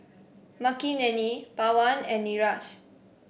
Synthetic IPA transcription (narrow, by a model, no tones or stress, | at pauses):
makinɛ̃nipawãnɛ̃nːiɹaʃ